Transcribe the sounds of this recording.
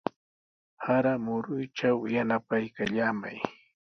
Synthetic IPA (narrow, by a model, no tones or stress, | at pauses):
haɾamʊɾʊjt͡ʃawjanapajkaʎaːma̰j